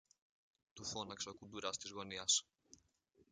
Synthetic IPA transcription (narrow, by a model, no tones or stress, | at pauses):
t̪ufo̞nɐksokud̪uɾɐst̪izɣo̞niɐs